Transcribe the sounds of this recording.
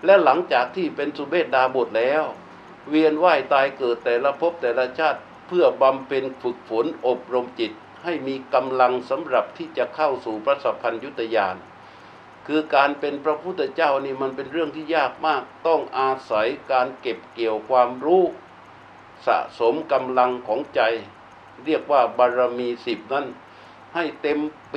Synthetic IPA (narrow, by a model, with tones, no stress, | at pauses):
lɛ˦˥la˩˦ŋt͡ɕaː˨˩k̚t̪ʰiː˥˩pe˧nsu˧˦beː˥˩t̪̚daː˧bo˨˩t̪̚lɛː˦˥w | wi˧ənwaː˥˩jt̪aː˧jkɤː˨˩t̪ːɛː˨˩la˧pʰo˦˥p̚t̪ɛː˨˩la˧t͡ɕʰaː˥˩t̪̚ | pʰɯ˥˩əba˧mpʰe˧nfɯ˨˩k̚fo˩˦nʔo˨˩p̚ɾo˧mt͡ɕi˨˩t̪̚ | ha˥˩jmiː˧ka˧mla˧ŋsa˩˦mɾa˨˩p̚t̪ʰiː˥˩t͡ɕa˨˩kʰa˥˩wsuː˨˩pʰɾa˦˥sa˧˥pʰa˧nju˦˥t̪ʰːa˧jaː˧n | kʰɯː˧kaː˧npe˧npʰɾa˦˥pʰu˥˩t̪ʰːt͡ɕaː˥˩wniː˥˩ma˧npe˧nɾɯ˥˩əŋt̪ʰiː˥˩jaː˥˩k̚maː˥˩k̚t̪ɔ˥˩ŋʔaː˧sa˩˦jkaː˧nke˨˩p̚ki˨˩əwkʰwaː˧mɾuː˦˥˩ | sa̰˨˩ʔso˩˦mka˧mla˧ŋkʰɔː˩˦ŋt͡ɕa˧j | ɾi˥˩ək̚waː˥˩baː˧ɾa˧miː˧si˨˩p̚na˦˥˩n | ha˥˩jt̪e˧m